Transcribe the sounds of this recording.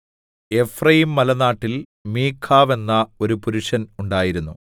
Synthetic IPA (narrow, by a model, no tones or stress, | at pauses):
e̞frɐjimːɐlɐnaːʈːil | miːkʰːaːʋe̞nːɐo̞ɾupuɾuʂɐnuɳɖaːjiɾunːu